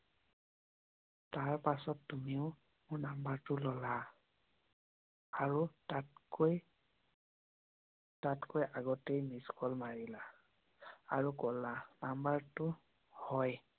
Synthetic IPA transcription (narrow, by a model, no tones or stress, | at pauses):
taɹpasɔtːumiʊ | mʊɹnambaɹtʊlɔla | aɹutakj | tatkojʔaɡɔtejmiskɔlmaɹila | aɹukɔlanambaɹtʊ | hɔj